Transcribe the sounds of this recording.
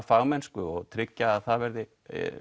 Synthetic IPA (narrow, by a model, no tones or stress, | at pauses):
faːɣmɛnskʏɔɣt̪ʰɾɪcːaːðθaðvɛɾðɪ